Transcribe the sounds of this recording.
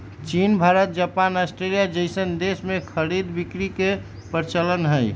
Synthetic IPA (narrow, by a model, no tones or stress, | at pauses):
t͡ʃinbʱaɾət̪̚d͡ʒapanasʈɾelijad͡ʒəɪsənd̪esmẽkʰəɾid̪bikɾike | pəɾt͡ʃələnɦəj